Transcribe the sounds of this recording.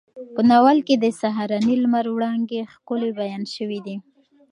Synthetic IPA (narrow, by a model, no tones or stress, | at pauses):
pənawalked̪əsaɦaɾɑnilmaɾwɽɑŋɡexkʊlebajɑnʃəwid̪i